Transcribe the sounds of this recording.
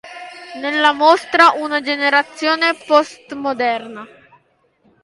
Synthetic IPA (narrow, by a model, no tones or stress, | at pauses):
nelːamost̪ɾaʔunad͡ʒeneɾat̪sːjoːnepɔst̪mod̪ɛrna